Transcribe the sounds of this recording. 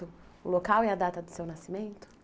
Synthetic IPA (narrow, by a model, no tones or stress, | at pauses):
ʊʊlokawɛɐd̪at̪ɐd̪ʊsewnasimẽnt̪ʊ̥